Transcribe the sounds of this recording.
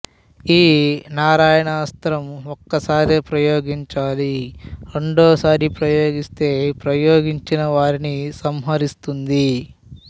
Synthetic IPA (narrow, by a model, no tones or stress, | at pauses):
iːnaːɾaːjɐɳaːst̪ɾɐmokːɐsaːɾeːpɾɐjoːɡiɲt͡ʃaːliɾe̞ɳɖoːsaːɾipɾɐjoːɡist̪e̞ːpɾɐjoːɡiɲt͡ʃinɐʋaːɾinisɐmɦɐɾist̪und̪i